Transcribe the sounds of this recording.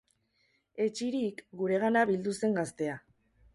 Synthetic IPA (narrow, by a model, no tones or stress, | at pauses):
e̞t͡ʃiɾikɡuɾe̞ɣanaβild̪use̞ŋɡast̪e̞a